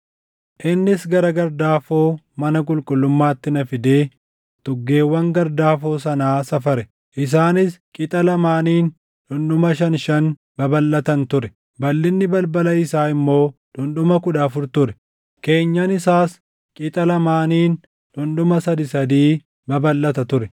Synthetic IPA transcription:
ʔɪnːɪsɡɐɾɐɡɐɾd̪aːfoː | mɐnɐk̬ʼʊlkʼʊlːʊmːaːt̪ːɪnɐfɪd̪eː | t̪ʼʊɡːe̞ːwːɐŋɡɐɾd̪aːfoːsɐnaːsɐfɐɾɛ | ʔɪs̬aːnɪskʼɪt̪ʼɐlɐmaːniːn | ᶑʊnɗʊmɐʃ̬ɐnʃɐn | bɐbɐlːɐt̪ɐnt̪ʊɾɛ | bɐlːɪnːɪbɐlbɐlɐɪsaːɪmːo̞ːᶑʊnɗʊmɐkʊᶑɐfʊɾt̪ʊɾɛ | ke̞ːɲːɐnɪsaːs | kʼɪt̪ʼɐlɐmaːniːn | ᶑʊnɗʊmɐsɐd̪ɪsɐd̪iː | bɐbɐlːɐt̪ɐt̪ʊɾɛ

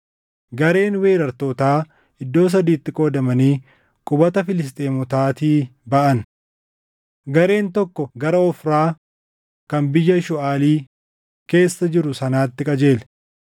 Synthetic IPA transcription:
ɡɐɾe̞ːnwe̞ːɾɐɾt̪o̞ːt̪aː | ɪd̪ːo̞ːs̬ɐd̪iːt̪ːɪkʼo̞ːd̪ɐmɐniː | kʼʊbɐt̪ɐfɪlɪst̪ʼeːmɔt̪aːt̪iːbɐʔɐn | ɡɐɾe̞ːnt̪ɔkːɔɡɐɾɐɔfɾaː | kɐnbɪjːɐʃʊʔaːliː | ke̞ːsːɐd͡ʒɪɾʊsɐnaːt̪ːɪkʼɐd͡ʒe̞ːlɛ

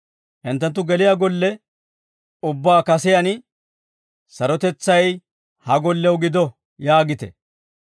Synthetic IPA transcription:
hɪnt̪ːɐnt̪̬ːʊɡɛlɪjaɡɔlːɛ | ʊbːaːkɐsɪjɐn | sɐɾɔt̪ɛt͡sːɐj | hɐɡɔlːɛwɡɪd̪ɔ | jaːɡɪt̪ɛ̰

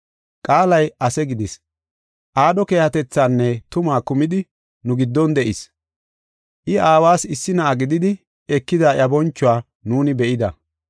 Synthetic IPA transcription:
kʼaːlɐjɐsɛɡɪd̪ɪs | ʔaːd̪ɔke̞ːhɐt̪ɛt͡sːaːnːɛt̪ʊmaːkʊmɪd̪ɪ | nʊɡɪd̪ːɔnd̪ɛʔɪs | ʔɪʔaːwaːsɪsːɪnɐʔɐɡɪd̪ɪd̪ɪ | ɛkːɪd̪aːjɐbɔnt͡ʃːʊwaː | nuːnɪbɛʔɪd̪ɐ̰

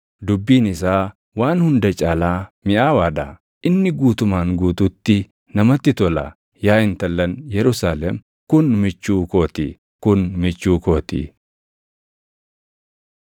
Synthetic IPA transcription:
d̪ʊbːiːnɪsaː | waːnhʊnd̪ɐt͡ʃʼaːlaːmɪʔaːwaːᶑɐ̰ | ʔɪnːɪɡuːt̪ʊmaːŋɡuːt̪uːt̪ːɪ | nɐmɐt̪ːɪt̪ɔlɐ̰ | jaːɪnt̪ɐlːɐnjɛɾʊsaːlɛm | kʊnmɪt͡ʃːuːko̞ːt̪ḭː | kʊnmɪt͡ʃːuːko̞ːt̪ḭː

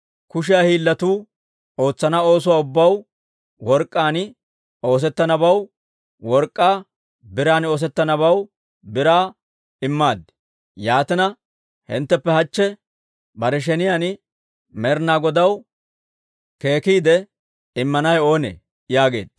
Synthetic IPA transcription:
kʊʃ̬ɪjaːhiːlːɐt̪uː | o̞ːt͡sːɐnɐo̞ːs̬ʊwaːʊbːɐw | wɔɾkʼːaːn | o̞ːs̬ɛt̪ːɐnɐbɐw | wɔɾkʼːaː | bɪɾaːno̞ːs̬ɛt̪ːɐnɐβɐw | bɪɾaː | ɪmːaːd̪ɪ̥ | jaːt̪ɪnɐ | hɪ̰nt̪ːɛpːɛhɐt͡ʃːɛ | bɐɾɛʃ̬ɛnɪjaːnɪ | mɛɾnaːɡɔd̪ɐw | ke̞ːkiːd̪ɛ | ɪmːɐnɐjo̞ːnḛː | jaːɡe̞̰ːd̪̥

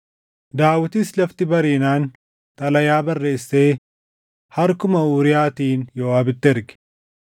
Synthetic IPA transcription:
d̪aːwɪt̪iːslɐft̪ɪbɐɾiːnaːn | t̪ʼɐlɐjaːbɐrːe̞ːsːe̞ː | hɐɾkʊmɐuːɾɪjaːt̪iːnjoːaːbɪt̪ːɪɪɾɡɪ̥

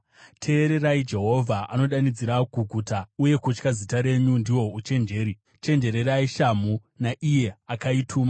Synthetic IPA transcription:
tʰe̞ːɾe̞raid͡ʒe̞ɦo̞vʱaʔano̞ɗanid͡ziɾaɡʱuɡʱutauje̞kut͡ʃkazitaɾe̞ɲundiwo̞ut͡ʃe̞nd͡ʒe̞ːɾi | t͡ʃe̞nd͡ʒe̞ɾe̞ɾaiʃamu | naʔije̞akaitʰuːma

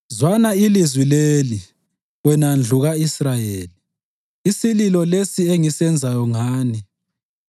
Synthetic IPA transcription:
zwanailizwileli | wɛnand͡ɮʱuɣaisrajeːli | isililɔlesieŋisɛnd͡zʱajɔŋaːni

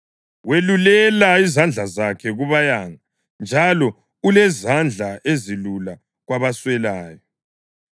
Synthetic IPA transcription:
welulɛlaizand͡ɮʱazakʰɛɣuβajaŋa | nd͡ʒʱalɔ | ulɛzand͡ɮʱaʔezilula | ɣwaβaswɛlaːjɔ

